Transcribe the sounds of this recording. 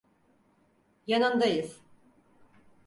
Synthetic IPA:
janɯnd̪ajɯz̥

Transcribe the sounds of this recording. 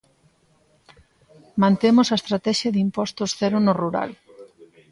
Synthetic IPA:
mãnt̪emʊsaest̪ɾat̪ɛʃjɐðimpɔst̪ʊsθɛɾʊnʊruɾa̰l

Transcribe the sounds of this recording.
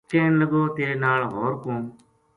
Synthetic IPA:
kẽːnləɡoːt̪eːɾeːnaːɭɦoːɾkõː

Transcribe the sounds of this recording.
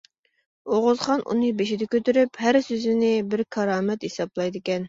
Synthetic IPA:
oʁʊzχɑnʔṵnɨbeʃid̪ɛkʲøt̪yɾyphæɾsøzɪnɪbɪɾkʰɑɾɑːmɛt̪hesɑblˠɑjd̪ɨkʲɛn

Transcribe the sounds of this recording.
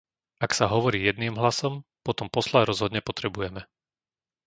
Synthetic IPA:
aksaɦɔʋɔɾiːjɛd̪̚niːmɦlasɔmpɔt̪ɔmpɔslaɾɔzɦɔd̪ɲɛpɔt̪ɾɛbujɛmɛ

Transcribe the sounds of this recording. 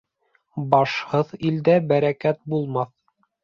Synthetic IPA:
bɑʃhɤðild̪æbæɾækæt̪̚bulˠmɑθ

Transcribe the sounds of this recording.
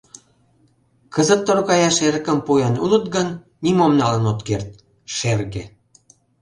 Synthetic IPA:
kəzə̆t̪ːoɾokɑjɑʃeɾə̆kə̆mpujɑnulə̆t̪̚ɡənː | imomnɑlənot̪kert̪̚ | ʃerɣe

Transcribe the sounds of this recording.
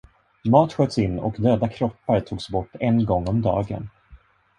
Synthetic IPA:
mɑːt̪ɧøːt̪sɪnːɔ̰kd̪øːd̪akʰɾɔpːaɾt̪ʰuːɡsbɔʈːɛnɡɔŋːɔmd̪ɑ̰ːɡə̰n

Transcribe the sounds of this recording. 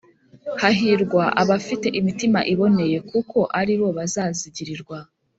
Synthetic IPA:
haɦiɾɡwaʔaβafite̞ʔimitima̰ʔiβo̞ne̞je̞kuko̞ʔaɾiɾo̞βazaːziɟiɾiɾɡwa

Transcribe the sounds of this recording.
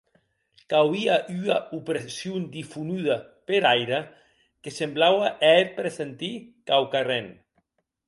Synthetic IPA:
kawiaʔyaupɾesjund̪ifunyða | peɾajɾa | kesemblawaʔɛet̪̚pɾesent̪ikawkaren

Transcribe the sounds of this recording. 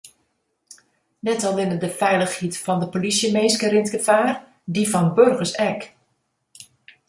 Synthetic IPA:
nɛtɔlˠɪnədəfɛjləxhitfɔndəpolisjəmeːskəɾɪntɡəfaːr | difɔnbørɣəsɛk

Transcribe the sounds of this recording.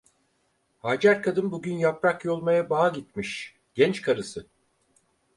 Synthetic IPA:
haːd͡ʒæɾkʰad̪ɯnbuɟynjapɾakjo̞lˠmajabaːɟit̪miʃ | ɟ̥ɛnt͡ʃkʰaɾɯsɯ

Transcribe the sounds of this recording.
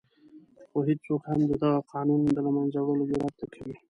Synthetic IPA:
xoɦidsokhamd̪əd̪ɑɣaqʰɑːnund̪əlamanzawəlobeɾat̪t̪ːakʰawi

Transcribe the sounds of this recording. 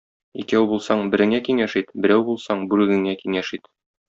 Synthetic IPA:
ikæwbulˠsɑɴbɘ̆ɾɘ̆ŋækiŋæʃit̪bɘ̆ɾæwbulˠsɑɴbʉɾʉ̆ɡɘ̆ŋækiŋæʃit̪

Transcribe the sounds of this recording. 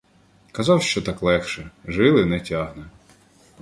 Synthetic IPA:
kɐzɑwʃt͡ʃɔt̪ɑklˠɛxʃɛʒɪlˠɪnɛtʲaɦnɛ

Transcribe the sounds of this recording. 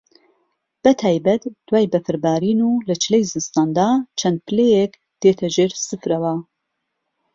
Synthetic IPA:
b̥ɐt̪ʰaːjbɐt̪d̪̥waːjbɐfɨɾbaːɾiːnuːlɐt͡ʃʰɨlejzɨnst̪aːnd̪aːt͡ʃʰɐnd̪̚pʰɨlejɛk | d̪̥eːt̪ʰɐʒeːɾsɨfɾɐwɐ

